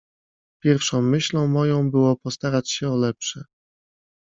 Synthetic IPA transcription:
pʲjɛɾfʂɔ̃w̃mɘɕlɔ̃w̃mɔjɔ̃w̃bɘwɔpɔst̪aɾat͡ɕɕɛɔlɛpʂɛ

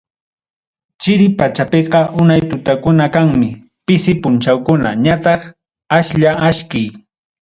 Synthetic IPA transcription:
t͡ʃɪɾɪpat͡ʃapeqɑʔʊnajt̪ʊt̪akʊnakaŋmɪ | pɪsɪpʊnt͡ʃawkʊna̰ɲat̪ɑχ | aʃʎaʔaʃkɪj

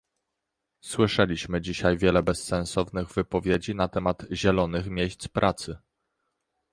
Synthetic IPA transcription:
swɘʂɛlʲiɕmɘd͡ʑiɕajvʲjɛlɛbɛsːɛ̃nsɔvnɘɣvɘpɔvʲjed͡ʑinat̪ɛmad̪̥ʑɛlɔnɘxmʲjeɕt̪spɾʔat̪sɘ

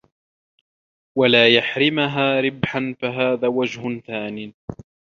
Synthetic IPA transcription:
walaːjaħɾɪmaɦaːɾɪbħanfaɦaːðaːwad͡ʒhʊnθaːnɪː

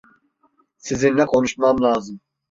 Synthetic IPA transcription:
sizinlʲɛkʰo̞nuʃmamlʲˠaːzɯm

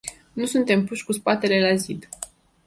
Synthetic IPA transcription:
nusunt̪e̞mpuʃʲkuspat̪e̞le̞lazid̪

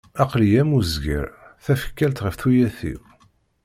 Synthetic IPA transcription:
ɑqlijæmuzɡə̰ɾθæfə̥kːælt̪ʁəfθujæθḭw

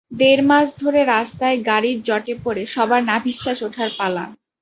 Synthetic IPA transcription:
d̪eɾmad͡ʑʰd̪ʱoɾeɾast̪aeɡaɾiɾd͡ʑɔʈepoɾeʃɔbaɾnabʱiʃːaʃoʈʰaɾpala̰n

